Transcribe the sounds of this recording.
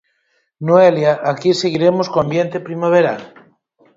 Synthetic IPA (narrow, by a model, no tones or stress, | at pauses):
noeljaʔakiseɣiɾemoskoambjent̪epɾimaβ̞eɾa̰l